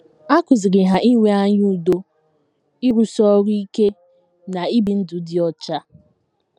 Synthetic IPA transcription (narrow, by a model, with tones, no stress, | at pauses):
a˦kʊ˨zɪ˨ɡɪ˨ɦa˨ʔi˦ŋʷe˦a˦ɲu˦u˨do˦ | i˦ɾu˨sɔ˦ɾu˦i˦ke˦ | na˨i˦bi˨n̩˦dʊ˨˦dɪ˨ɔ˦t͡ʃa˦